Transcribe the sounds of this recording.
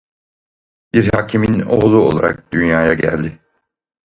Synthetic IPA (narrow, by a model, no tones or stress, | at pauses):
b̥iɾhaːcʰimino̞̰ɣlˠuo̞̰lˠa̰ɾa̰k̚d̪̥ynjaːjaɟæ̰lʲd̪ɪ